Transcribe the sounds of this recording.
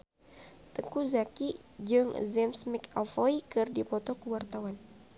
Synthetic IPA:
t̪əŋkuzakid͡ʒɨŋzɛmsmɛka̰foikɨrdipɔt̪ɔkəwart̪awan

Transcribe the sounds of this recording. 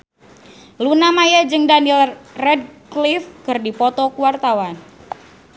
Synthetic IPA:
lunamajad͡ʒɨŋdanilrɛd̚klifkɨrdipɔt̪ɔkuwart̪awan

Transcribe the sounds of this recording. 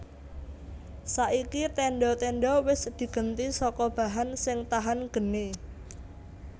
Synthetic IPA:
saʔikit̪ɛɳɖɔt̪ɛɳɖɔwɪsd̪̥i̤ɡ̥ə̤nt̪isɔkɔb̥ä̤ɦansɪŋt̪aɦanɡ̥ə̤ni

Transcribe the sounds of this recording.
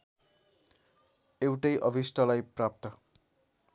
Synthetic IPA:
ewʈʌjʔʌbʱisʈʰʌlajprap̚t̪ʌ

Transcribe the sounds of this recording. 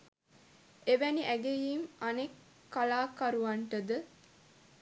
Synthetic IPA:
eʋæniʔæɡejiːmanekː | alaːkaɾuʋɐɳʈəd̪ə

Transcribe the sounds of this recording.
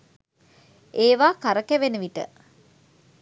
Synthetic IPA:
eːʋaːkaɾəkæʋenəʋiʈə̰

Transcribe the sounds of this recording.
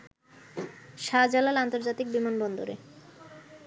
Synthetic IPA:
ʃad͡ʑalalant̪oɾd͡ʑat̪ik̚bimanbɔnd̪oɾḛ

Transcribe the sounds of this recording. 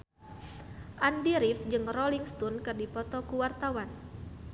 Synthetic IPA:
ʔandiɾifd͡ʒɨŋrɔliŋst̪unkɨrdipɔt̪ɔkuwart̪awan

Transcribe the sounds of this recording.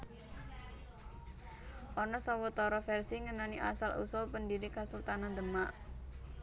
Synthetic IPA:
ʔɔnɔsawət̪ɔɾɔfɛrsiŋənaniʔa̰salʔṵsʊlpəndiɾikasult̪anand̪əmaʔ

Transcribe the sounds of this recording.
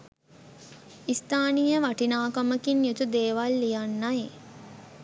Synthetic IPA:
ist̪aːnijəʋaʈinaːkaməkinjut̪ud̪eːʋalːijanːaje

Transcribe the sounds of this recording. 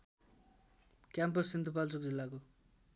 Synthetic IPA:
kjampʌsːint̪upalt͡sok̚d͡zilːako

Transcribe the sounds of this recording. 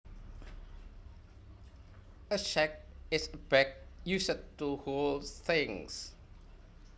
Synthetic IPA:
əʃɛk̚ɪsəbɛk̚jusətːuholθɪ̃ŋs

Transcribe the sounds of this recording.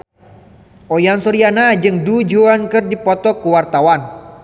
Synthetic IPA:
ʔojansɔɾianad͡ʒɨŋdud͡ʒuankɨrdipɔt̪ɔkuwart̪awan

